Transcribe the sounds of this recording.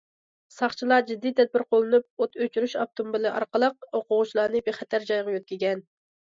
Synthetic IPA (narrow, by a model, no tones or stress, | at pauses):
sɑχt͡ʃʰilˠɑd͡ʒid̪ːit̪ʰɛd̪̚bɪɾqʰolˠɨnup̚ot̪øt͡ʃyɾyʃɑp̚t̪ʰumbɪlɨʔɑ̰ɾqəlˠəq̚oqʊʁʊt͡ʃlˠɑːnɨbeχɛt̪ʰæɾd͡ʒɑjʁɑjøt̪̚kʲiɡʲɛn